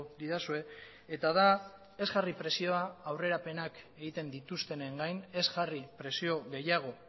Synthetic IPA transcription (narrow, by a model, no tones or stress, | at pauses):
d̪iðasue̞ | et̪aða | e̞zɣaripɾe̞sio̞aawre̞ɾape̞nake̞ɣit̪e̞nd̪it̪ust̪e̞neŋɡajne̞zɣaripɾe̞sio̞ɣe̞jaɣ̞o̞